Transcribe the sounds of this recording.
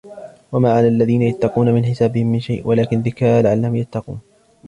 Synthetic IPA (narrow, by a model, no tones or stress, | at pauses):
wamaːʕalaʔalːaðiːnajat̪ːɑquːnamɪnħɪsaːbɪhɪmːɪnʃajʔwalaːkɪnðɪkaːlaʕalːahʊmjat̪ːɑqṵːn